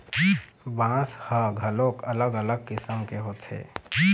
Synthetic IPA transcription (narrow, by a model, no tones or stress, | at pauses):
bãːshəɡʱəlokələɡələɡ̚kɪsəmkeɦoːt̪ʰḛː